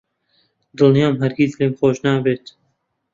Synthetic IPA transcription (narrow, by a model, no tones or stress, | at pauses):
d̪ɨlnijɑːmɦæɾɡizleːmxoːʒnaːbeːt̪